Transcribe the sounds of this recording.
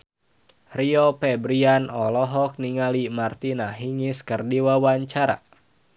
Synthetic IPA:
riɔpɛbɾianɔlɔɦɔk̚niŋalimart̪inaɦiŋiskɨrdiwawaɲt͡ʃaɾa̰

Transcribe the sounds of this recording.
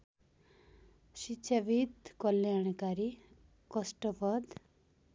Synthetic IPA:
sit͡ʃʰabid̪kʌljaɽ̃kaɾi | kʌsʈʌpʌd̪

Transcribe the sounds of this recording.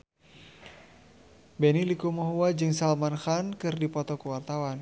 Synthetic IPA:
bɛnilikomɔɦuwad͡ʒɨŋsalmanxankɨrdipɔt̪ɔkəwart̪awan

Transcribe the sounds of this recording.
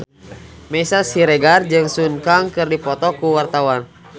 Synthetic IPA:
mɛsasiɾɛɡard͡ʒɨŋsunkaŋkɨrdipɔt̪ɔkuwart̪awan

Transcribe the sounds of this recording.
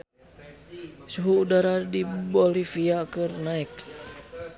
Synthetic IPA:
suɦuːdaɾadibɔlifiakɨrnaik̚

